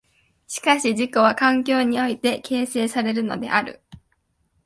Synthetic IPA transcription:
ɕi̥kaɕiʑiko̞β̞akãŋkʲo̞ːɲ̟io̞it̪e̞ke̞ːse̞ːsaɾe̞ɾɯ̟no̞̰d̪e̞ʔaɾɯ̰

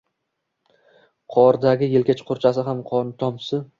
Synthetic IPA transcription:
qʰɒɾd̪aɡʲɪjelkʲat͡ʃʰqʰʊɾt͡ʃʰas̬ɪɦamqʰɒnt̪ʰɒmsɪ

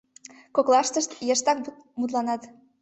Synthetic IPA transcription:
koklɑʃt̪əʃt̪jeʃt̪ɑk̚ | mut̪̬lɑnɑt̪

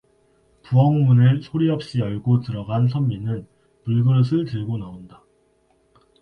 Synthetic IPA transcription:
puʌŋmunɯɭsʰoɾiʌp̚ɕ͈ijʌɭɡotɯɾʌɡans̬ʰʌmːinɯn | puɭɡɯɾɯs̬ʰɯɭtɯɭɡonaonda

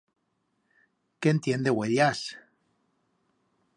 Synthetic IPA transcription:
keːnt̪je̞nd̪e̞ɣweljas

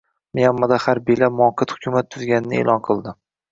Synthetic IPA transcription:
mejamːad̪ahaɾbijlamʊɒqʰɨt̪hʊkʲʰʊmat̪ʰːʊzɡʲanɪnɪḛːlɒnqʰɨlˠd̪ɪ

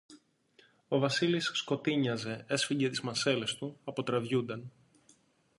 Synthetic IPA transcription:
o̞vɐsilisːko̞t̪iɲɐze̞e̞sfiɟe̞t̪izmɐse̞le̞st̪uɐpo̞t̪ɾɐvʝund̪ɐn

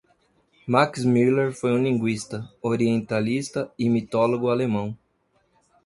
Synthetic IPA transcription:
maksmiɾleɾfojũlĩŋɡwist̪ɐoɾiẽnt̪alist̪ɐɪmit̪oloɡʊalemɐ̃w̃

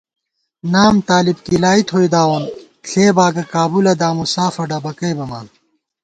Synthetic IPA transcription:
naːmt̪aːlibkilaːit̪ʰoid̪aːwɐn | ɬʰeːbaːɡɐkaːbulɐd̪aːmusaːfɐɖɐbɐkɐjbɐmaːn

